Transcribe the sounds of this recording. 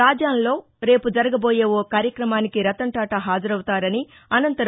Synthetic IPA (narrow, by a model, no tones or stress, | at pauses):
aːd͡ʒaːnlo̞ː | ɾe̞ːpud͡ʒɐɾɐɡɐbo̞ːje̞ːokaːɾjɐkɾɐmaːnikiɾɐt̪ɐɳʈaːʈɐɦaːd͡ʒɐɾɐwut̪aːɾɐni | ɐnɐnt̪ɐɾ